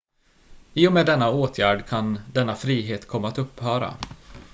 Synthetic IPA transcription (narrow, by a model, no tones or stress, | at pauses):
iːʊmeːd̪ɛnːaoːt̪ʰjæːɖkʰand̪ɛnːafɾiːɦeːt̪kʰɔmːaːt̪ɵpːhœːɾa̰